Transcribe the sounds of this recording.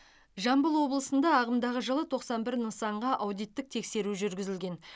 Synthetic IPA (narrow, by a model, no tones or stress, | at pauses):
ʒɑmbəlˠwo̞blˠəsənd̪ɑːʁəmd̪ɑʁəʒəlˠət̪ʰo̞qsɑnbɪɾnəsɑɴʁɑʔɑwd̪ijt̪ːɪk̚t̪ʰe̞kse̞ɾuʒʏɾɡʲɪzɪlɡʲe̞n